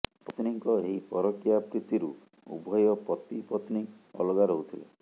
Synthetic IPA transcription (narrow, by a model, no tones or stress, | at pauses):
pɔt̪niŋkɔeɦipɔɾɔkjapɾit̪iɾu | ṵbʱɔjɔpɾɔt̪ipɔt̪ni | ɔ̰lɔɡaɾɔɦut̪ʰilḛ